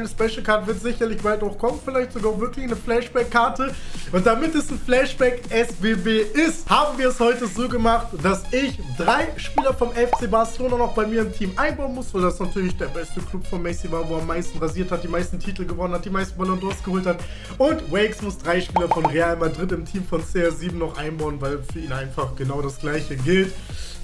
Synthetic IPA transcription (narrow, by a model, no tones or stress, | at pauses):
aɪnəspɛʃl̩kʰaɐtəvɪɐtz̥ɪçɐlɪçb̥altaʊxkʰɔmənfɪlaɪçtz̥oɡaːvɪɐklɪçnəflɛʃb̥ɛkʰːaɐtəʔʊnd̥amɪtɛsn̩flɛʃb̥ɛkʔɛsb̥eːbeːʔɪsthaːbm̩viːɐɛshɔʏtəzoːɡəmaχtd̥asɪç | d̥ʁaɪʃpiːlɐfɔmɛft͡seːbaɐsəloːnanɔχb̥aɪmiːɐɪmtʰiːmʔaɪnbaʊənmʊsv̥aldasnatʰyːɐlɪçd̥eːɐbɛstəkʰlʊpfɔnmɛsivaːɐvoːɛɐamːaɪstn̩ʁaziːɐthat̚d̥iːmaɪstn̩tʰiːtl̩ɡəvɔnənhat̚d̥iːmaɪstn̩balɔndɔɐsɡ̥əhoːlthat | ʔʊntwɛɪksmʊsd̥ʁaɪʃpiːlɐfɔnʁeaːlmadʁɪtɪmtʰiːmfɔnt͡seːɛziːbm̩nɔχʔaɪnbaʊənvaɪlfyːɐiːnʔaɪnfaχɡ̥ənaʊɾasɡ̥laɪçəɡɪlt